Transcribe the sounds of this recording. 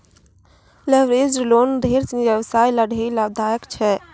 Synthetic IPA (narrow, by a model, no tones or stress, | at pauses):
leʋɾed͡ʒɾlond̪ʱeɾt͡ʃniʋjəbsajləɽʱeləbd̪ʱajəkt͡ʃʰɛ